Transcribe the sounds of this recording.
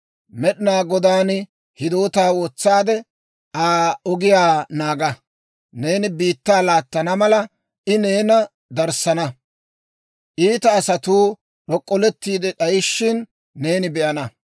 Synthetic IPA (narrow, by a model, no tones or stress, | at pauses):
mɛɗɪnaːɡɔd̪aːn | hɪd̪o̞ːt̪aːwɔt͡sːaːd̪ɛ | aːɔɡɪjaːnaːɡɐ | ne̞ːnɪbiːt̪ːaːlaːt̪ːɐnɐmɐlɐ | ʔɪne̞ːnɐ | d̪ɐɾsɐnɐ | ʔiːt̪ɐːsɐt̪uː | ɗɔkʼːɔlɛt̪ːiːd̪ɛɗɐjɪʃːɪnː | e̞ːnɪbɛʔɐnɐ